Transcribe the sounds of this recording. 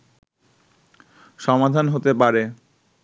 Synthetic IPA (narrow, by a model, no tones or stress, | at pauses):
ʃɔmad̪ʱanɦot̪epaɾe